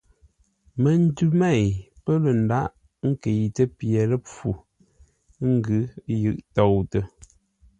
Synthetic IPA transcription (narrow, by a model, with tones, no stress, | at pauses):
mə˨n̩˦dʉ˦mɛ˦˨jpə˦lə˨n̩˨da˦ʔ | ŋ̩˦ke˨jtə˦pjɛ˨lə˦p͡fu˨˦ | ŋ̩˦ɡɨ˨˦jɨ˨ʔtɔ˨wtə˨